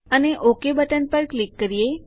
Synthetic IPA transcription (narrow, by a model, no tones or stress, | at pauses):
əneʔokebəʈənpəɾklikːəɾije